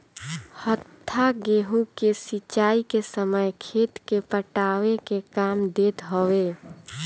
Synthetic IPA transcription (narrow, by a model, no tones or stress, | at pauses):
hət̪ʰːaɡeːɦukesit͡ʃaːikesəməjkʰeːt̪kepəʈaːwekekaːmd̪eːt̪ɦoweː